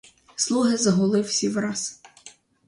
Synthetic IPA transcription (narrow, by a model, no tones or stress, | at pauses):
slˠuɦɪzɐɦɔlˠɪwsʲiwrɑs